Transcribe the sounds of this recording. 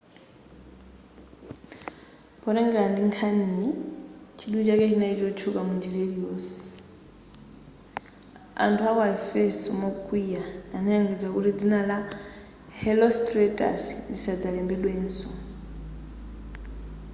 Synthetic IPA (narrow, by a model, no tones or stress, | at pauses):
pɔɾɛŋɡɛlandiŋkʰani | t͡ʃʰiɗut͡ʃakɛt͡ʃinait͡ʃɔt͡ʃʰukamund͡ʒɛleɾijɔːsɛ̥ | a̰ntʰuakaɛfɛsɔmɔkʼwijaːnɔɾaŋɡid͡zakuɾid͡zinala | hɛlɔstrɛtʼa̰sdisad͡zalɛmbɛɗwɛːnsɔ